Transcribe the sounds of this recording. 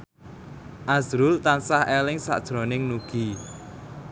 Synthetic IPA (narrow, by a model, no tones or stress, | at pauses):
ʔazɾʊlt̪ansahelɪŋsa̰ʔd̥ʒ̥ɾo̤nɪŋnuɡ̥i